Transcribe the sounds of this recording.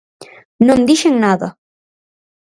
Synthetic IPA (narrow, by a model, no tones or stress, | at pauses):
nond̪iʃeŋnaða